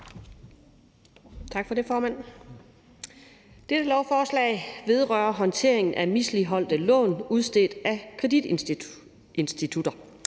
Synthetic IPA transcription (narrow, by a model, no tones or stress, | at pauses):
t͡sʰɑ̈ɡ̥fɒ̽de̝fɒːmæn̰ | d̥ed̥əlɒʊfɒːslɛ̰ːɪʋe̝ð̞ˠʁœːɐɦɒ̽nt͡sʰe̝̰ɐ̰e̝ŋn̩ʔæmisliɦɒ̽l̰d̥əlɔ̰̽ːnuðˠsd̥e̝ld̥ækʰʁɛd̥id̥ | e̝nsd̥it͡sʰud̥ɐ